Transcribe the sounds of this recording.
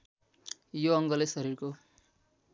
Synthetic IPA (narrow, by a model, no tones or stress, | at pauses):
joʌŋɡʌlesʌɾirko